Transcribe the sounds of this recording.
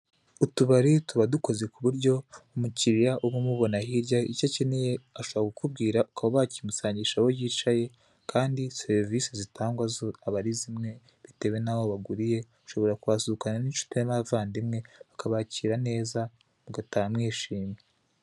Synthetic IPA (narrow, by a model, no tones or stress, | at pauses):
utuβaɾituβaduko̞ze̞kuβuɾɟo̞umuciɾijaʔuβumuβo̞nahiɾɟaicoceneje̞aʃo̞βakukubɡiːɾakʰaβoβacimusaːɲɟiʃaβo̞jiːt͡ʃaje̞ | kʰaːndise̞ɾvisizitaːŋɡwazoaβaɾizimŋe̞ | βite̞βwe̞naβo̞βaɡuɾije̞ | uʃo̞βo̞ɾakuβasuukananiʃu̥temavaːndimŋe̞βakaβaciːɾane̞ːza | muɡatajamŋiːʃiːme